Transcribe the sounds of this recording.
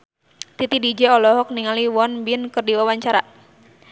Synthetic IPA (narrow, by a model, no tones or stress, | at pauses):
t̪it̪idid͡ʒɛɔlɔɦɔk̚niŋaliwɔnbinkərdiwawaɲt͡ʃaɾa